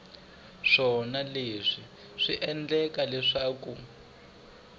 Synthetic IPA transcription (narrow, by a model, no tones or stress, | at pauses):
ʂɔnaleʂi | ʂiʔɛnd͡ɮɛkalɛʂaːku